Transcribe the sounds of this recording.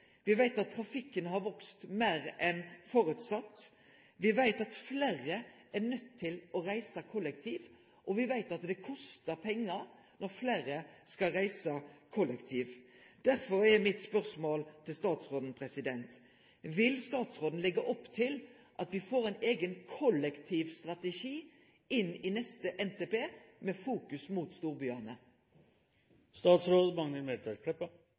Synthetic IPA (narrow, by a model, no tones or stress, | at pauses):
ʋɪʋæɪt̪ɑt̪ʰːɾɑfɪkːənhɑɾʋɔkst̪meːɾʔɛnfoːɾʉːt̪sɑt̪ː | ʋɪʋæɪt̪ɑt̪fleːɾə | æʁnœt̪ʰːɪlɔɾæɪsəkʰɔlːɛkt̪ʰiːʋ | ʔɔʋɪʋæɪt̪ɑt̪d̪ɛkʰɔst̪əɾpʰɛŋːəɾ | nɔɾfleːɾəskɑlɾæɪsəkʰɔlːɛkt̪ʰiːʋd̪̥æɾfɔɾɛmɪt̪spœʁsmoːlt̪ʰɪlst̪ɑːt̪sʁoːd̪n̩pʰʁɛsɪd̪ɛnt̪ | ʋɪlst̪ɑːt̪sʁoːd̪n̩lɛɡəʔɔpːt̪ʰɪl | ʔɑt̪ʋɪfoːʁæɪneːɡənkʰɔlɛkt̪ʰiːʋst̪ʁɑt̪ɛʂiː | ɪnɪnɛst̪əʔɛnt̪eːpeːmɛfuːkʉsmuːt̪st̪uːʁbyːɑnə | st̪ɑːt̪sɾoːd̪mɑŋnəɾmɛt̪ʰɑpʰlɛpːə